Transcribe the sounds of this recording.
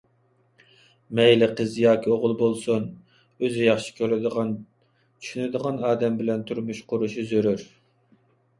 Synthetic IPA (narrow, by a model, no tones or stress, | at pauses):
mɛjlɪqʰəzjɑːkʲʰioʁʊlˠbolˠsun | øzyjɑχʃi̥kʲʰøɾɪd̪ʁɑn | t͡ʃʰy̥ʃynɪd̪əʁɑnɑːd̪ɛmbɪlɛnt̪ʰuɾmuʃqʰʊɾuʃizøɾyɾ